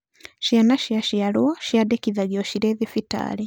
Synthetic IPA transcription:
ʃjanaʃjaʃjalwaʃjadekiðaɡjoʃiɾeːðifita̰ːli

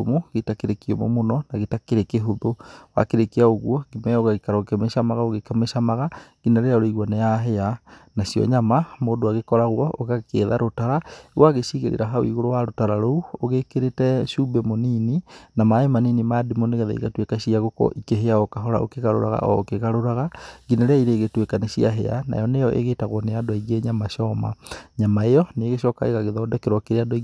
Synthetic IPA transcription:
omoɣetakeɾekiɛmo̰monɔnaɣetakeɾekeɦoðowa̰keɾekiaoɣwɔɡimɛoɣaɣikaɾakemeʃamaɣaoɣekameʃamaɣaɡinaɾeaoɾoiɣwaneaɦɛanasiɔ̰ɲamamoːndoaɣekɔɾaɣwɔʔoɣakeːðaɾotaɾaɣwaɣeɕiːɣeɾḛɾaɦawḭɣoɾowaɾotaɾaɾouoɣekeɾetɛʃubɛmonininamaemaniːnimadimoneɣɛða̰ḭɣatwekaɕiaɣokɔ̰ʔikeɦeaokaɦɔɾa̰o̰keɣaɾo̰ɾaɣa̰ʔɔ̰okeɣaɾoɾaɣaɡineɾeaiɾeːɣetwekaneɕiaɦḛa̰na̰jɔnejɔʔḛɣeːtaɣwɔneadoaiɣeɲamaɕɔma̰ɲamaejɔneːɣeɕɔka̰ḛɣaɣeðɔdɛkeɾwɔkeɾeadoi

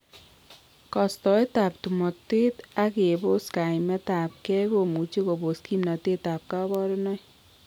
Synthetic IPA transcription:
kɔst̪ɔjt̪ap̚t̪umɔt̪et̪aɡeboskajmɛt̪ap̚kɛɡomut͡ʃiɡoboskimnɔt̪et̪ap̚kabɔɾɔnɔj

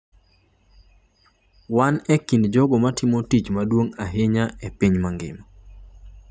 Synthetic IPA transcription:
wanɛkindd͡ʒɔɡɔmatɪmotit͡ʃmadwoŋaɦeɲaepiɲmaŋɡɪ̰ma

